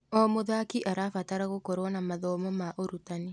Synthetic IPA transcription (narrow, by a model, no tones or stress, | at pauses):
ɔmoðakiʔaɾafataɾaɣokoɾwanamaðɔmɔmaʔoɾutane